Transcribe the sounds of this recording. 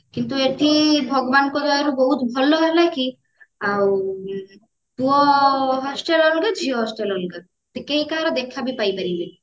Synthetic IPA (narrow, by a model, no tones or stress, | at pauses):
kint̪ueʈʰibʱɔɡɔbankɔd͡ʒɔeɾubɔɦut̪bʱɔlːɔɦɔlaki | aw | t̪uɔɦɔsʈelɔnɡəd͡ʒʱiɔɦɔsʈelɔnɡəɾ | t̪ekeɦĩkaɾɔd̪ekʰːabipajpaɾili